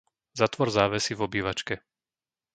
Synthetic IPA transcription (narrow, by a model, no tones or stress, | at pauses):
zat̪ʋɔɾzaːʋɛsivɔbiːʋat͡ʃkɛ